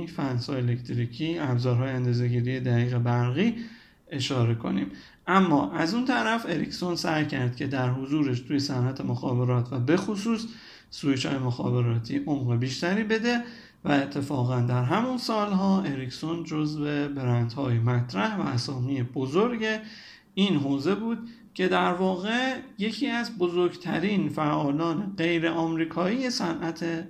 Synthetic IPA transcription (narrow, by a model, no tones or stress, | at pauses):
fænshɒ̰ːjelekt̪ʰɾiːcʰiːæbzɒːɾɦɒːjeænd̪ɒːze̞ɟiːɾije̞d̪æɣiːɣe̞bæɾɣiː | e̞ʃɒːɾe̞kʰo̞̰nḭːm | ʔæmːɒːʔæzunt̪ʰæɾæfe̞ɾicʰso̞nsæjcʰæɾd̪̥̚cʰe̞d̪æɾɦozuːɾeʃt̪ʰuːje̞sænʔæt̪ʰemoxɒːbe̞ɾɒːt̪ʰvæbe̞xosuːsː | uit͡ʃɒ̰ːjemoxɒ̰ːbe̞ɾɒːt̪ʰiːʔo̞mɣebiːʃt̪æɾiːbe̞d̪e̞ | væet̪ʰːe̞fɒːɣænd̪æɾɦæmunsɒːlɦɒːeɾicʰsond͡ʒozve̞be̞ɾænd̪hɒːjemæt̪ʰɾæhvæ̰ːsɒːmijebozoɾɟe | iːnɦoːze̞buːd̪̥ | cʰe̞d̪æɾvɒːɣe̞je̞cʰiːæzbozoɾɡt̪ʰæɾiːnfæʔɒːlɒːneɢe̞jɾe̞ʔɒːmɾiːkʰɒːiːje̞sænʔæt̪ʰe